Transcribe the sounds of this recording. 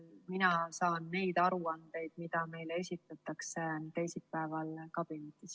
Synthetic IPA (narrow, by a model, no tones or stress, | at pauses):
minɑsɑːnːe̞jd̪̥ɑɾuɑnd̪̥e̞jd̪̥̚mid̪̥ɑme̞jle̞sʲit̪ˑːɑt̪ːˑɑkset̪e̞jsilpæevɑlkɑb̥inet̪ːˑis